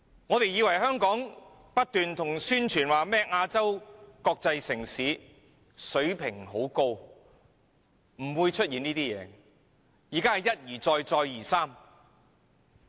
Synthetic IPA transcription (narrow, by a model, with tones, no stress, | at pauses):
ŋɔː˨˧t̪e˨jiː˨˧wɐ˨˩jɦœː˥ŋkɔː˨˥ŋ | pɐ˥t̚t̪yː˨nt̪ʰʊ˨˩ŋsyː˥nt͡ʃʰyː˨˩nwaː˨˩mɛː˥k̚aː˧t͡sɐ˥wkɔː˧k̚t͡sɐ˧jsɪ˨˩ŋsiː˨˥ | sɵ˨˥ɥpʰɪ˨˩ŋɦo˨˥wko˧w | m̩˨˩wuː˨˧jt͡ʃʰɵ˥t̚jiː˨niː˥t̪iː˥jɛ̰ː˨˧ | jiː˨˩kaː˥hɐ˨jɐ˥t̚jiː˨˩t͡sɔː˧jt͡sɔː˧jjiː˨˩saː˥m